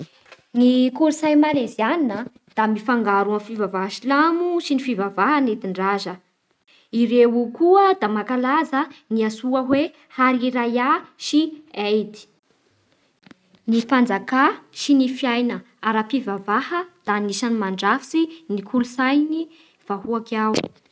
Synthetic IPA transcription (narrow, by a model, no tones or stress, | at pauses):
nikulusajmalezianinə | d̪̥amifaŋɡaɾuəfivavaɦʃilamuʃinifivavaɦanet̪iɳɖ͡ʐazə | iɾeukuəd̪amakalazəniasuəɦwe | haɾiɾajaʃiejd̪i̥ | nifand͡zakaʃinifijajnə | aɾapivavahəd̪̥anisanimaɳɖ͡ʐafi̥sinikʰulusajni | v̥ahuakaw